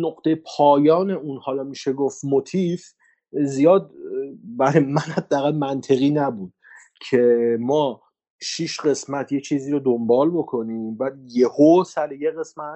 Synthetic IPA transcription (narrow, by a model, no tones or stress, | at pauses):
noqt̪ʰejpʰɒːjɒːne̞unhɒːlɒmiːʃeɡofmot̪ʰif | zijɒːd̪bæɾemænhæd̪ːeæɣælmænt̪ʰe̞ɣiːnæbuːd̪̥̚ | cʰe̞mɒː | ʃiʃɢe̞smæt̪ʰjet͡ʃʰiːziːɾod̪ombɒːlbo̞kʰo̞niːmbæd̪je̞hosælejeɣe̞smæt̪